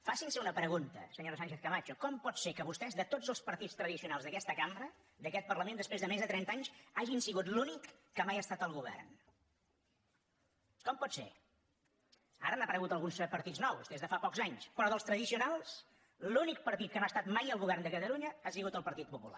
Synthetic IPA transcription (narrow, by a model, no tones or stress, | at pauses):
fasinsəunəpɾəɣunt̪ə̰səɲoɾsanʃeθkəmat͡ʃukɔmpɔt̪sekəβust̪ɛzðət̪od͡zəlˠspəɾt̪ist̪ɾəðisiunalˠzðəkɛst̪əkambɾə | d̪əkɛt̪̚pərləmẽnd̪əspɾezðəmezðət̪ɾɛnt̪aɲsaʒinsiɣut̪lunikːəmajəst̪at̪əlˠɣuβɛ̰rn | kɔmpɔt̪sḛ | a̰ɾənapəɾəɣut̪əlˠɣunspəɾt̪id͡zznɔwzd̪ezðəfapɔkzaɲspɾɔðəlˠst̪ɾəðisiunalˠs | lunik̚pəɾt̪it̪̚kənoast̪at̪majəlˠɣuβɛrnd̪əkət̪əluɲəasiɣut̪əlˠpəɾt̪it̪̚pupula̰